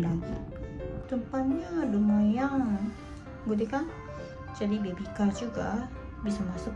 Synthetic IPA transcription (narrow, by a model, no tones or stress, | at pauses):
laɡḭt̪əmpanɲalumajaŋ | ɡud̪ekan | d͡ʒadibiabikad͡ʒuɡa̰ | bisamasʊk